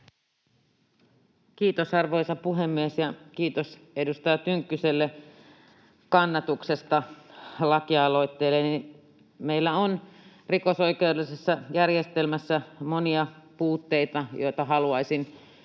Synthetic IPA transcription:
kiːt̪osɑrʋo̞jsɑpuɦemːiesjɑkiːt̪os | edust̪ɑjɑt̪yŋkːyselːe | kɑnːɑt̪uksest̪ɑlɑkiɑɑlo̞jt̪ːeːlːeni | meilːæon | riko̞so̞ikeudelisesːɑjærjest̪elmæsːæmoniɑpuːt̪ːeit̪ɑjo̞̰jt̪ɑɦɑluɑjsin

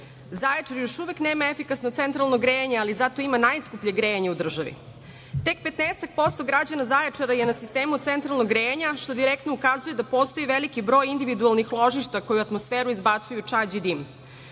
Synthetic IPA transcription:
zajet͡ʂaɾjo̞ʃuʋekneːmaefikasnot̪ent̪ɾalˠnoɡɾejeɲealizat̪o̞imanajskupʎeɡɾejeɲeud̪r̩ʒaʋḭ | t̪e̞k̚pe̞t̪neːst̪ak̚po̞st̪o̞ɡɾad͡ʑanazajet͡ʂaɾajenasist̪eːmut̪sent̪ɾalˠnoɡɾeɲaʃt̪o̞d̪iɾekt̪noukazujed̪apo̞ːst̪o̞iʋelikibɾo̞ːjind̪iʋid̪ualˠnixlˠo̞ʒiʃt̪akojuat̪mosfeːɾuizbat̪sujut͡ʂad͡ʑid̪im

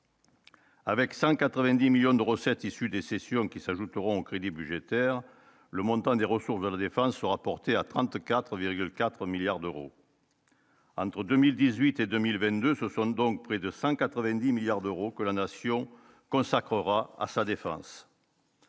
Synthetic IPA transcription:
avɛksɑ̃kat̪χəvɛ̃d̪imiljɔ̃d̪əʁəsɛt̪isyd̪esesjɔ̃kʲisaʒut̪əʁɔ̃okχed̪ibyʒet̪ɛʁ | ləmɔ̃t̪ɑ̃d̪eʁəsuʁsd̪əlad̪efɑ̃sːəʁapɔʁt̪eat̪χɑ̃t̪kat̪χviʁɡylkat̪χəmiljaʁd̪øʁo̰ | ɑ̰̃t̪χəd̪ømild̪izɥit̪ed̪ømilvɛ̃t̪̚d̪øsəsɔ̃d̪ɔ̃k̚pχed̪əsɑ̃kat̪χəvɛ̃d̪imiljaʁd̪øʁokəlanasjɔ̃ | kɔ̃sakχəʁaa̰sad̪efɑ̰̃s

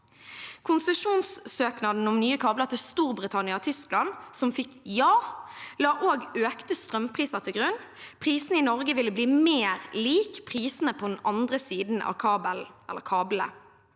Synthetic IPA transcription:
kʰʊnsəʂuːnssøːknɑd̪n̩ɔmnyːəkʰɑːblət̪ɪlst̪uːʁbʁɪt̪ʰɑnɪɑɔt̪ʰʏsklɑnsɔmfɪkjɑːlɑːʔoːɡøːkt̪əst̪ʁœmpʰʁiːsəʁt̪ʰɪlɡʁʉnːpʰʁiːsnəɪnɔʁɡəʋɪlːəbliːmeːʁliːkpʰʁiːsnəpʰɔd̪n̩ɑnd̪ʁəsiːd̪n̩ʔɑ̰ʋkʰɑːbəlɛ̰lːə̰ʁkʰɑːblə̰

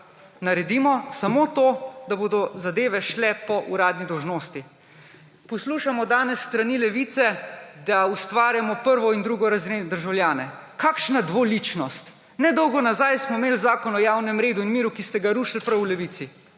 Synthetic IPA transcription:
naɾɛd̪imɔsamot̪oːd̪aboːd̪ɔzad̪eːʋɛʃlɛpɔʔuɾaːd̪nid̪ɔwʒnoːst̪i | pɔsluːʃamɔd̪aːnɛsːt̪ɾanilɛʋiːt̪sɛd̪aust̪ʋaːɾjamɔpəɾʋɔind̪ɾuːɡɔɾazɾend̪əɾʒawljaːnɛ | kaːkʃnad̪ʋolit͡ʃnɔst̪ | nɛd̪ɔwɡɔnazajsmɔmeːlzaːkɔnɔjawnɛmɾeːd̪uinmiːɾukist̪ɛɡaɾuːʃilpɾɐwlɛʋiːt̪si

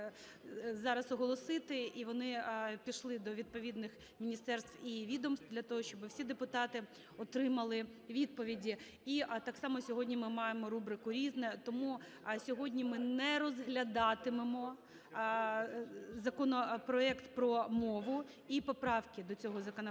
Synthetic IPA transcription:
zɑɾɐsɔɦɔlˠɔsɪt̪ɪiʋɔnɪpʲiʃlˠɪd̪ɔʋʲid̪̚pɔʋʲid̪nɪx | mʲinʲist̪ɛrst̪iʋʲid̪ɔmst̪d̪lʲɐt̪ɔɦɔt͡ʃɔbɪwsʲid̪epʊt̪ɑt̪ɪ | ɔt̪ɾɪmɐlˠɪʋʲid̪̚pɔʋʲidʲi | it̪ɑksɑmɔsʲɔɦɔdʲnʲimɪmɑjemɔɾubɾɪkʊɾʲiznɛt̪ɔmu | sʲɔɦɔdʲnʲimɪnɛɾɔzɦlʲɐd̪ɑt̪ɪmemɔ | zɐkɔnɔpɾɔɛkt̪pɾɔmɔʋʊ | ipɔpɾɑwkʲɪd̪ɔt͡sʲɔɦɔzɐkɔnɔ

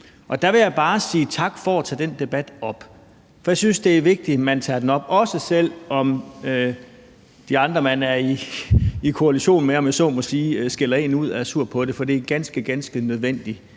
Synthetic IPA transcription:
ʔɒ̽d̥æʋe̝jɑ̈ɪb̥ɑ̈ːsiːt͡sʰɑ̈ɡ̥fɒæt͡sʰɛ̰ːd̥end̥e̝b̥æd̥ɒ̽b̥ | fɒ̽jɑ̈synsd̥e̝æɐʋe̝ɡ̥̚d̥imænt͡sʰɑ̰̈ːd̥enɒ̽b̥ɒ̽səsel̰ɒ̽mø | d̥iɑ̈nd̥ʁɐmænæɐiː | kʰo̝æliɕo̝̰ːnmeɒ̽mjæsɔ̰ːmɒsiːsɡ̥elɐe̝̰ːnuð̞̰ˠæɐsuɐ̰̥pʰɒ̽d̥e̝fɒ̽d̥iæɡ̥ænsɡ̥əɡ̥ænsɡ̥ənøð̞ˠʋen̰d̥i

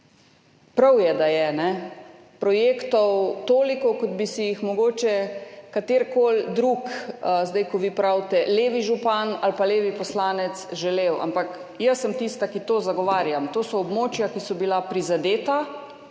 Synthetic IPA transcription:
pɾawjɛd̪ajɛnɛ | pɾɔjekt̪ɔwt̪oːlikɔkɔd̪bisijixmɔɡoːt͡ʃɛkat̪eːɾkoːld̪ɾukzd̪ajkɔʋipɾawt̪ɛleːʋiʒupanalpaleːʋipɔslaːnɛt̪sʒɛlewa̰mpak | jəsːəmt̪ist̪akit̪oːzaɡɔʋaːɾjamt̪oːsɔːbmoːt͡ʃjakisɔbilapɾizad̪eːt̪a

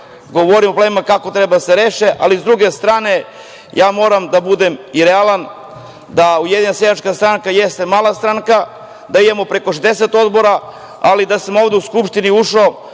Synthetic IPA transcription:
ɡo̞ʋoɾimoplemimakakot̪ɾebad̪aseɾeːʃeʔalizd̪ɾuɡe̞st̪ɾaːne̞ | jaːmo̞ːɾamd̪abud̪emiɾealˠan | d̪aujed̪iɲnasjeat͡ʃkast̪ɾaŋkajest̪e̞maːlˠast̪ɾaŋka | d̪aid̪emo̞pɾe̞koʃed̪eset̪o̞d̪bo̞ɾa | alid̪asamo̞ːʋd̪euskupʃt̪iniuʃo

